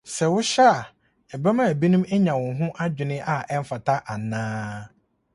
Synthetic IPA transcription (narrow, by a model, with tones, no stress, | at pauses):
sɛ˨wʊ˦ɕa˦a˨ | ɛ˨ba˦mã˦˨æ˨bi˦nũ˦mɛ˦ɲã˨wʊ̃˨nɦʊ̃˦ʔa˦d͡ʑᶣɪ˨nɪ̃˦ʔa˦ɛ˦m˦fa˨tʰa˦ʔa˨nãː˦